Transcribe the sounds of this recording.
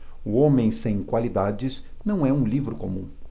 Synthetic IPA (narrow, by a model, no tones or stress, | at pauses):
uõmẽj̃sẽj̃kwalid̪ad͡ʒɪznɐ̃w̃ɛũlivɾʊkomũ